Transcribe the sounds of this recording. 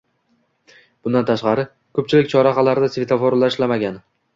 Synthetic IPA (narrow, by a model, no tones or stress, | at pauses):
b̥ʊnd̪ant̪ʰaʃqɑɾɪ | kʰɵp̚t͡ʃʰɪlɪk̚ʲt͡ʃʰɒɾaqɑlaɾɪd̪asvʲet̪ʰafoɾlaʃlamaɡʲan